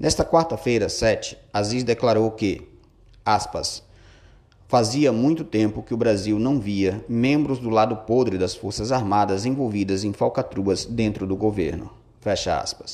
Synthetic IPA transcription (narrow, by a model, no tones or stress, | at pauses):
nɛst̪ɐkwaɾt̪ɐfejɾɐsɛt͡ʃɪ̥ | azizd̪eklaɾowkɪ | aspɐ̰s | faziɐmũj̃t̪ʊt̪ẽmpʊkɪʊbɾaziwnɐ̃w̃viɐmẽmbɾʊzd̪ʊlad̪ʊpod̪ɾɪd̪ɐsfoɾsɐzaɾmad̪ɐzẽvowvid̪ɐzẽj̃fawkat̪ɾuɐzd̪ẽnt̪ɾʊd̪ʊɡovḛɾnʊ̰ | fɛʃɐa̰spɐ̥s